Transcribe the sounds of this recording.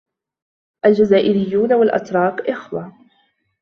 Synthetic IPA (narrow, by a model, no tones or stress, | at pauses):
ʔald͡ʒazaːʔɪɾɪjːuːnawalʔa̰t̪ɾˤɑːqʔɪxwa